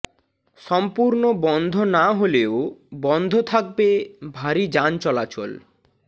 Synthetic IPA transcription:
ʃɔmpuɾnobɔnd̪ʱonaɦoleobɔnd̪ʱot̪ʰak̚bebʱaɾid͡ʑant͡ɕɔlat͡ɕo̰l

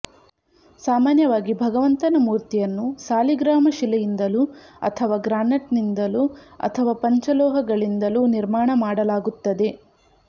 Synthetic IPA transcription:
saːmaːnjɐʋaːɡibʱɐɡɐʋɐnt̪ɐnɐmuːɾt̪ijɐnːusaːliɡɾaːmɐʃilɐjind̪ɐluɐ̰t̪ʰɐʋaːɡɾaːnɐʈnind̪ɐluɐ̰t̪ʰɐʋaːpɐɲt͡ʃɐlɔːɦɐɡɐɭind̪ɐluniɾmaːɳɐmaːɽɐlaːɡut̪ːɐd̪e̞

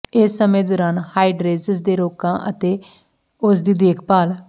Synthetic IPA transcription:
ɪsːəmẽːd̪oːɾaːnhaːiɖɾeːzəzd̪eːɾoːkãːʔət̪eː | ʊs̬d̪iːd̪eːkʰpaːl

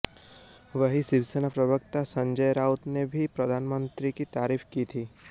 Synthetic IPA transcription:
ʋəɦiʃɪʋsənapɾɐbək̚t̪asɐ̃ɲd͡ʒəjɾaːʊt̪nebʱipɾɐd̪ʱaːnmə̃nt̪ɾikit̪aːɾiːfkit̪ʰiː

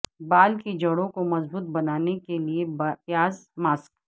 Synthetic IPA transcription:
baːlkid͡ʒɐɽõkomɐzbuːt̪̚bɐnaːnekeliebjaːzmaːsk

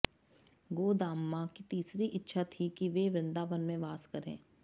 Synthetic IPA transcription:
ɡoːd̪aːmːakit̪iːsɾiʔɪtːʃʰat̪ʰikiʋeʋɾɪ̃nd̪aːʋənmẽʋaːskɐɾḛ̃ː

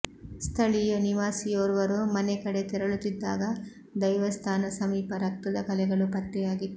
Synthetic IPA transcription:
st̪ʰɐɭijoniʋaːsijoːɾʋɐɾumɐnɛkɐɽet̪ɛɾɐɭut̪ːid̪ːa̰ːɡɐ | d̪ɐjʋɐst̪ʰaːnɐsɐmiːpɐɾɐk̚t̪ud̪ɐkɐlɛɡɐɭupɐt̪ːɛjaːɡi

